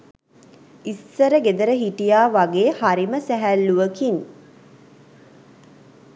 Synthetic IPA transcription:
isːəɾəɡed̪əɾəɦiʈijaːʋaɡeːhaɾiməsæɦælːuʋəkin

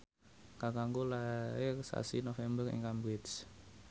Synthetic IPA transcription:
kakaŋɡulaɪrsa̰sinofɛmbərɪ̰ŋkambwɪt̪s

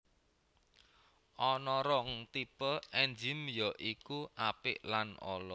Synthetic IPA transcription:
ʔɔnɔɾɔŋt̪ipəʔɛnd͡ʒɪmjɔʔikuʔapɪʔlanɔ̰lɔ

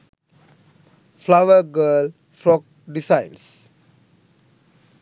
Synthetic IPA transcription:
flawəɡəl | fɾɔk̚ | ɖisãɪns

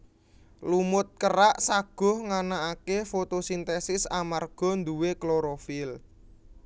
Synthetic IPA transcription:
lumʊt̪̚kəɾaʔsaɡ̥ɔ̤hŋanaakefot̪osint̪esɪsamarɡ̥ɔ̤nd̪uwekloɾofɪl

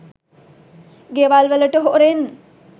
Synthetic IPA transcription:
ɡeʋalʋələʈəɦoʔɾen

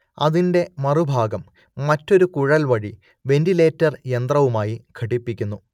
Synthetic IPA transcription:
ɐðinde̞mɐrubʱaːɡɐmː | ɐtːo̞ɾukuɻɐlʋɐɻi | ʋe̞ndile̞ːtːɐrje̞nt̪rɐʋumaːjikʰɐʈːipːikʲːunːu

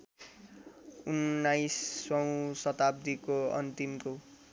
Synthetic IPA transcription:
unːajsːʌwũsʌt̪ab̚d̪ikoʌ̰nt̪imko

